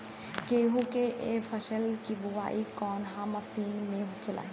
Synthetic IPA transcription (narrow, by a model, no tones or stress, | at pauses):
keːɦũkeʔefʰɐʃəlkibʊʋa̰ːikɔːnɦãmɐsiːnmẽːɦũkela̰ːe